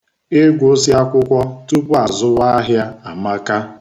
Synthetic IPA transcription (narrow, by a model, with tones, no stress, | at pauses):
ɪ˦ɡʷo˦sja˦kʷʊ˦kʷɔ˦tu˦pa˨zʊ˦wa˦a˦ɦja˦a˨ma˦ka˦